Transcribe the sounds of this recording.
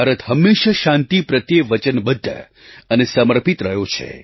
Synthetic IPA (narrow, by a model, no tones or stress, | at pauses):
aɾət̪ɦəmːeʃəʃãnt̪ipɾət̪jeʋət͡ʃənbəd̪ʱːə̰ | ənesəməɾpit̪ɾəɦjot͡ʃʰḛ